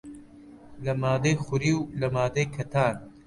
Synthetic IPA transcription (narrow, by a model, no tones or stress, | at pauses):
lɐmaːd̪eːxʊɾiwlɐmaːd̪eːkʰɐt̪ʰaːn